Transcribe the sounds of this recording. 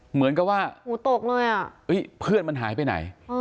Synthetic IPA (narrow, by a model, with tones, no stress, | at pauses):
mɯ˩˦ənka˨˩p̚waː˥˩huː˩˦t̪o˨˩k̚lɤː˧jʔa˨˩ʔʔɤ˦˥jpʰɯ˥˩ənma˧nɦa̰ː˩˦jpa˧jna̰˩˦jː